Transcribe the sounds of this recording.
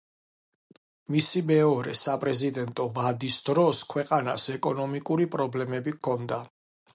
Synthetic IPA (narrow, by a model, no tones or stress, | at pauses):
misimɛɔɾɛ̰sapʼɾɛzid̪ɛnt̪ʼɔvad̪isd̪ɾɔskʰwɛqʼana̰sɛkʼɔnɔmikʼuɾipʼɾɔblɛmɛbikʰɔnd̪a